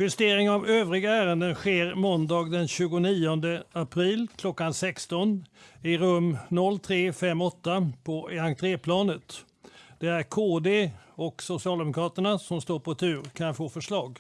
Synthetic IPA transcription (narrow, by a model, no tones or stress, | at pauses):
ɧɵst̪eːɾɪŋavøːvɾɪɡaæːɾənd̪ənɧeːɾmɔnd̪ɑːɡd̪ɛnɕʉ̟ːɡʊniːɔnd̪əapʰɾiːlkʰlɔkːansɛkst̪ɔnɪɾɵmːnɔlːt̪ʰɾeːfɛmːɔt̪ːapʰɔaŋt̪ʰɾeːpʰlɑːnət̪ | d̪̥ɛæɾkʰoːd̪eɔksʊsɪɑːld̪ɛmʊkʰɾɑːt̪əɳasɔmst̪oːɾpʰɔt̪ʰʉ̟ːɾkʰanfoːfœʂɭɑːɡ